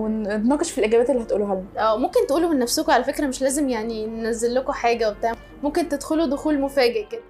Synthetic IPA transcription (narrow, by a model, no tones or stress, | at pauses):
weet̪nɑːqeʃfilʔeɡæbæːt̪elːihæt̪ʔuːluɦælːæʔæːmomkent̪eʔuːlomenːæfsokoʕalæfekɾæmeʃlæːzemjaʕninenæzːelːokoħaːɡæwebet̪aːʕ | momkent̪ed̪xolud̪oxuːlmofæːɡeʔɡ